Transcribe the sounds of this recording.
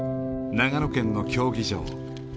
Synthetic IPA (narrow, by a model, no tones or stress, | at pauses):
naɡanokẽ̞nːo̞kʲo̞ːɡʲiɕo̰ː